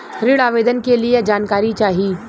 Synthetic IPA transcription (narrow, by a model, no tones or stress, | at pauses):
ɾɪɽaːʋeːd̪ənkelied͡ʒaːnkaːɾit͡ʃaːɦiː